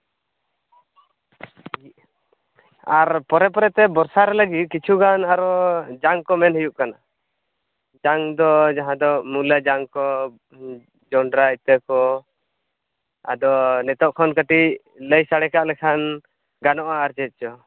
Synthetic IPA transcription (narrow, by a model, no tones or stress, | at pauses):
aɾpɔɾɛpɔɾɛt̪ɛbɔɾsaɾɛləɡit̪̚kit͡ʃʰuɡanaɾɔd͡ʒaŋkɔmɛnhəjuʔkana | d͡ʒaŋd̪ɔd͡ʒaɦãd̪ɔmulad͡ʒaŋkɔ | d͡ʒɔɳɖɾait̪əkɔ | a̰d̪ɔnɛt̪ɔʔkʰɔnkəʈiʔ | ləjsaɽɛkaʔlɛkʰan | ɡanɔʔaːɾt͡ʃɛt̪̚t͡ʃɔ